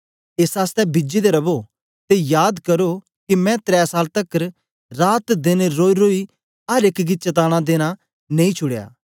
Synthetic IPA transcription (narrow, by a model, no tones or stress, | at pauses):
eːsaːst̪ɛbɪd͡ʒid̪eɾɐbo | t̪ejaːd̪kɐɾo | kimɛ̃t̪ɾɛːsaːlt̪ɐkəɾ | ɾaːt̪d̪ɪneɾoːiɾoːi | ɐɾekɡit͡ʃɐt̪̬aːɽ̃ad̪eːña | nẽːĩt͡ʃʰʊɽja̰ː